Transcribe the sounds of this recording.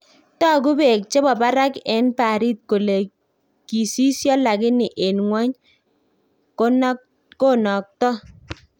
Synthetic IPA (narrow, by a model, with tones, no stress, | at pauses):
tɔ˦k̬ʊ˦be˨k̚t͡ʃe˦bɔ˨ba˦ɾa˦kɛ˨˦npa˨ɾi˦t̚ko˨le˨ | ki˨si˦sjɔ˦la˨kɪ˦nɪ˨ʔe˨nŋwɔ˦ɲ | ko˦n | ko˦nɔ˨k̚tɔ˦